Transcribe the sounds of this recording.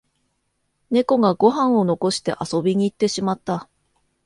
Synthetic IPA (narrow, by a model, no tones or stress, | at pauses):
ne̞ko̞ɡaɡo̞ɦãɰ̃o̞no̞ko̞ɕi̥t̪e̞̰ʔaso̞bʲiɲ̟iːt̪ːe̞ɕimat̪ːa